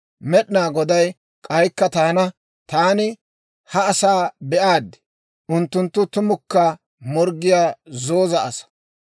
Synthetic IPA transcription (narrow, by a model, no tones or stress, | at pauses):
mɛɗnaːɡɔd̪ɐj | kʼɐjkːɐt̪aːnɐ | t̪aːnɪ | hɐːsaːbɛʔaːd̪ɪ̥ | ʔʊnt̪ːʊnt̪ːʊt̪ʊmʊkːɐ | mɔɾɡɪjaːzo̞ːzɐːsɐ̥